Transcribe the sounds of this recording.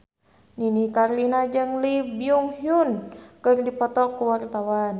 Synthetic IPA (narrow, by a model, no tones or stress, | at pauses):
ninikarlinad͡ʒɨŋlibiuŋhiunkɨrdipɔt̪ɔkːuwart̪awan